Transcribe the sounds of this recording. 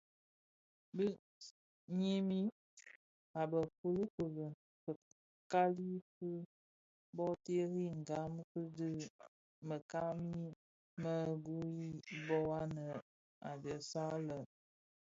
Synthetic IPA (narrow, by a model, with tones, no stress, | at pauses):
bə˦ | ɲe˦mi˦ | a˨bə˨fu˦lə˦pə˨lə˨ | kə˨ | ka˦li˦fɨ˦ | bɔ˦te˦ɾi˦ŋ˨ɡa˨˦m˦kɨ˦dɨ˦ | mə˨ka˦mi˦ | mə˦˨ɡu˦i˦bɔ˦wa˦nə˨ | a̰˨də˨sa˦lə˨